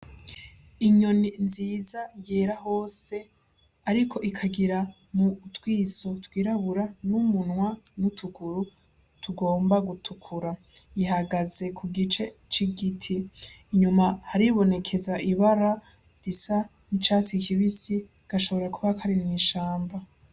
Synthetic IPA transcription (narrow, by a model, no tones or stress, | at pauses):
iɲo̞ninziːzajeːɾaho̞ːse̞ | aɾikʰo̞ʔikʰaɡiɾa | mutwiːsotwiːɾaβuɾanumunwanutʰuɡuɾu | tʰuɡo̞ːmbaɡutʰukʰuɾa | jiɦaɡaze̞kʰuɡit͡ʃe̞t͡ʃiɡitʰiːɲumahaɾiβo̞ne̞kʰe̞zaʔiβaɾa | ɾisa | nit͡ʃaːt͡sikʰiβisi | ɡ̥aʃo̞βo̞ɾakuβakʰaɾinniːʃaːmba